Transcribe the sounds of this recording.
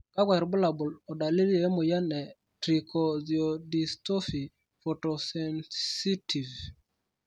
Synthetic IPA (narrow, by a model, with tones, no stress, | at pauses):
ka˦ɡwɛ˨ɾbʊ˦la˨bʊ˨lɔ˨da˨li˦le˨˦mʊ˨ja˦nɛ˨ | tɾi˨kʰo˨zi˨o˨di˨sto˦fi˨ | fo˨to˨sɛ˨nsi˦tʰi˨v